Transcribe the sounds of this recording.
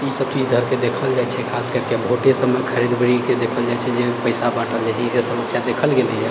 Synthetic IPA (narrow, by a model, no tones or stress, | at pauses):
isəb̚t̪id̪ʱəɾked̪ekʰəld͡ʒaɛt͡ʃʰɛkʰaskəɾkebʱoʈesəmejkʰəɾid̪bəɾiked̪ekʰəld͡ʒaɛt͡ʃʰɛd͡ʒepəɪsabaʈəld͡ʒat͡ʃʰɛisesəməsjad̪ekʰəlɡelɛɦɛ